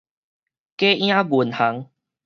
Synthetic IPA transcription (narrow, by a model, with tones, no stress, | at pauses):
ke˦ʔj̃ã˦ɡu˨˩nha˨˦ŋ